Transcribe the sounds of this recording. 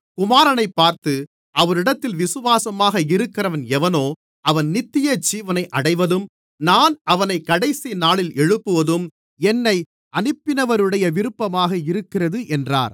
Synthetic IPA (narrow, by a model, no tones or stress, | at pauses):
kʊmaːɾɐnɐɪpːaːɾt̪ɯ | ʔɐʋɐɾɪɽɐt̪ːɪlʋɪsɯʋaːsɐmaːɣɐɪɾɯkːɪrɐʋɐnɛʋɐnoː | ɐʋɐnnɪt̪ːɪjɐt͡ʃiːʋɐnɐɪʔɐɽɐɪʋɐðɯm | naːnɐʋɐnɐɪkːɐɽɐɪsinaːɭɪlɛɻɯpːɯʋɐðɯm | ɛnːɐɪ | ɐnɯpːɪnɐʋɐɾɯɽɐjɐʋɪɾɯpːɐmaːɣɐɪɾɯkːɪrɐðɯʔɛndra̰ːɾ